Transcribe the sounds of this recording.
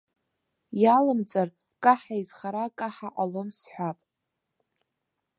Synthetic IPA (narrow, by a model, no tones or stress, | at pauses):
jalɨmt͡sʼar | kʼaħaizχaɾakʼaħaʔʼalomsħʷᶣapʼ